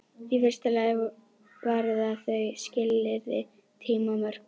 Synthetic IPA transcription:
θifɪr̥st̪alɛɣ | vaːɾðaθœɣscɪlːɪɾðɪ̰ | t̪ʰiːmamœɾ̥k

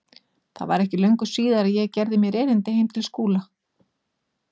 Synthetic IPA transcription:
θa̰ðva̰ɾɛhcɪlœɥŋkʏ̥siːðaɾaðjɛɣcɛɾðɪmjɛɾɛːɾɪnt̪ɪhejmt̪ʰɪlskuːla

